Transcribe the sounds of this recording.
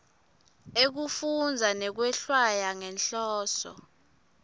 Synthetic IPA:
ek̬ufund͡zʱanɛk̬wɛɬwajaŋɛnɬɔːsɔ̰

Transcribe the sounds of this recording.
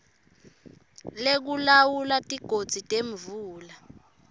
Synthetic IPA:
lek̬ulawulatʼiɡ̥ʱod̥z̥ʱitʼeɱvuːla

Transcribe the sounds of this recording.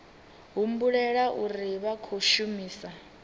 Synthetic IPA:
ɦum̩buɺɛɺaʔuriβakʰoʃumiːsa

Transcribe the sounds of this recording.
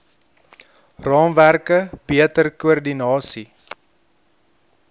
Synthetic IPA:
rɑːmværkəbiətərkuərdinɑːsi

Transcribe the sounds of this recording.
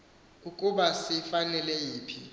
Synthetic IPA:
k̬ʼukʼuɓasifanɛlɛjiːpʰi

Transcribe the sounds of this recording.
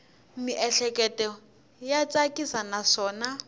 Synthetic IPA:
miʔɛɬɛkʼɛtɛ | jat͡sʼakʼisanaʂɔːna

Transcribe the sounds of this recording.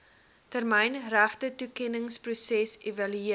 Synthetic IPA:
tərmɛjnræχtətukɛnəŋsprusɛsevɐlyiə

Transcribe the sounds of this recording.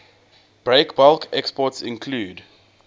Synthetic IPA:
b̥ɹekbɔlkɛkspɔtsɪ̃nkʰluːd

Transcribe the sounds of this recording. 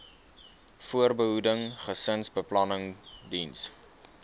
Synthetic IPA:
fuərbəɦudəŋχəsənsbəplɐnəŋdins

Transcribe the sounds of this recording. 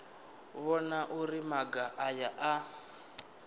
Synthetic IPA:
βɔnaʔuɾimaɡaʔajaʔa

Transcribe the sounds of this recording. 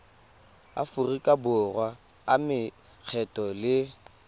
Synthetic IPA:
a̰fʊrikʼabʊrwaː | mɪ | k͡xʰɛtʼɔlɪ

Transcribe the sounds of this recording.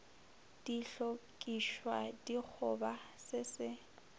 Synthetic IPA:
d̥iɬokʼiʃwadik͡xʰʊbasɪsɪ

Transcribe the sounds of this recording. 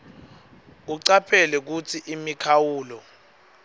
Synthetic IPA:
k̬uǀapʰɛlɛk̬ut͡sʰiʔimikʰawuːlɔ

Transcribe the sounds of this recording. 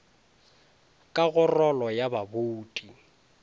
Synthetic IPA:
kʼaɣʊrɔlɔjababoːtʼi

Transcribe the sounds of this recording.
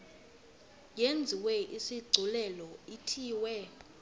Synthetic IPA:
jend͡zʱiwɛʔisiɡ͡ǀʱulɛlɔitʰiːwɛ

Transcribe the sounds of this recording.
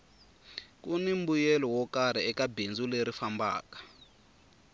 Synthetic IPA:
kunimbujɛlɔwɔkaɾiɛkabind͡zuleɾifamba̰ːkḁ

